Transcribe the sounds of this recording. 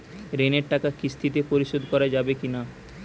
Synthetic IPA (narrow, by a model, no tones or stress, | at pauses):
ɾeneɾʈakakist̪ʰit̪epoɾiʃod̪ʱkɔɾad͡ʑabekina